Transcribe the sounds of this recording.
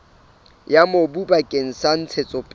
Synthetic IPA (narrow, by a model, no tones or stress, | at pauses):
jamobubakʼeŋ̩san̩t͡sʰet͡sʼɔpʼ